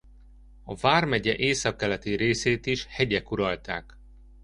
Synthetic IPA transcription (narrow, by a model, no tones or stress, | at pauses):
ɒvaːrmɛɟɛʔeːsɒkːɛlɛt̪iɾeːseːt̪iʃhɛɟɛkuɾɒlt̪a̰ːk